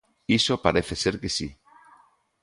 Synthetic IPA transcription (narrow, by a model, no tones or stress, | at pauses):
isopaɾeθeseɾkesi